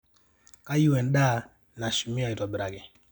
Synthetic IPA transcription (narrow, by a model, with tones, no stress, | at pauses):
ka˦ju˦wɛ˨nɗa˦ | na˨ʃu˨mɪ˦ɔ˨i˨tɔ˨bɾa˨ɡɛ˨